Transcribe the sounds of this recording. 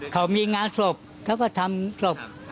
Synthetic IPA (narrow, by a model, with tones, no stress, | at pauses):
kʰa˨˦wmiː˧ŋaː˧nso˨˩p̚ | kʰa˦˥˩wkɔː˥˩t̪ʰa˧mso˨˩p̚